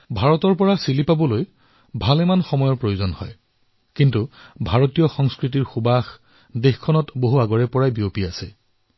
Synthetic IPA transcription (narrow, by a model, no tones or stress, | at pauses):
bʱaɹɔtɔɹpɔɹasilipabɔloj | bʱalɛmanxɔmɔjɔɹpɹojozɔnhɔ̰j | kintubʱaɹɔtijɔxɔŋskɹit̬iɹxubax | dexkʰɔnɔtboɦuaɡɔɹɛpɔɹajbiopiasɛ